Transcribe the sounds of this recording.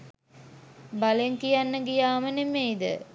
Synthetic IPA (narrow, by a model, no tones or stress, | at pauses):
baleŋkijanːəɡijaːmənemeːd̪ə̰